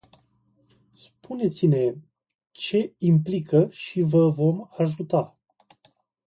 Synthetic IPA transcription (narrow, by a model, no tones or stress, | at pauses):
spʰune̞t̪sine̞ | t͡ʃe̞implikəʃivəvo̞maʒut̪a